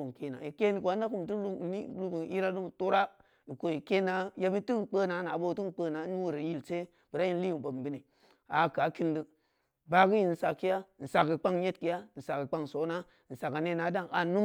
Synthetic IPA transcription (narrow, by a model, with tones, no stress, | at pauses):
o˨ŋ˨ke˦˨na̰˨i˨ke˦ni˨kʷa˨˦a˦ku˦m˨ti˦˨˦lu˦bi˨i˦ɾa˦du˦m˨to˦ɾa˦ | i˨ko˨ji˨ke˦na˨ja˦bi˦ti˦˨k͡pə˦na˨˦na˨˦bo˦˨tu˦˨k͡pə˦na˨˦n˦wu˨ɾe˨˦ji˦˨lse˦ | b̥ə˨ɾa˦ji˦n˦li˦i˨bo˨m˨bi˦ni˨ | a˨ka˨˦ki˦ndi˦ | ba˦ki˦ji˨n̩˨sa˨kːi˦ja˦˨n̩˨sa˨ki˨k͡pa˦ŋje˦tki˦ja˦n̩˨sa˨ki˨k͡pa˦ŋ˨so˨˦na˦ | n̩˨sa˨ka˨ne˦na˨˦da˦ŋa˨nu˦